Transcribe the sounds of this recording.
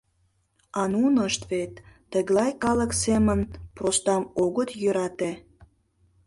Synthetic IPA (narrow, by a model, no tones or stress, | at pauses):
ɑnunəʃt̪vet̪ː | əɣlɑjkɑləksemənprost̪ɑmoɣət̪jøɾɑt̪e